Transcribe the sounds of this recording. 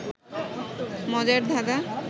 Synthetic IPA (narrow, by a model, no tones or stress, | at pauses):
mɔd͡ʑaɾd̪ʱaɡa